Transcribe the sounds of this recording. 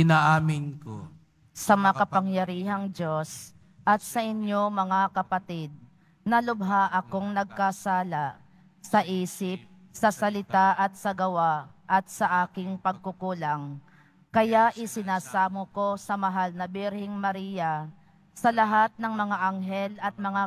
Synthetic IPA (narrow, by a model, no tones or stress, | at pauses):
ɪnaʔaːmɪnko̰ | sɐmɐŋakɐpɐŋjɐɾiːɦɐŋdjo̞s | ʔɐt̪̚sɐʔɪnjo̞mɐŋakɐpɐt̪id̪̚ | nɐlʊbɦaʔɐkoŋnɐɡ̚kasaːla | sɐʔiːsɪp̚ | sɐsɐlɪt̪aʔɐt̪̚sɐɡɐwaʔɐt̪̚sɐʔaːkɪŋpɐɡ̚kʊkuːlɐŋ | kɐjaʔɪsɪnaːsaːmoko̞sɐmɐɦalnɐbɪɾhɪŋmɐɾiːjɐ | sɐlɐɦat̪̚nɐŋmɐŋaʔɐŋɦɛlɐt̪̚mɐŋa